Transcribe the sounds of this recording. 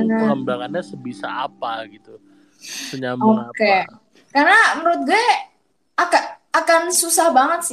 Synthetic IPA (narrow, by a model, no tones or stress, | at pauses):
naambaŋanɲasəbisa̰ːpaɡit̪u | səɲamoake | karnaməɾʊt̪̚ɡuɛ | akaː | kansusahbaŋət̪̚sɪ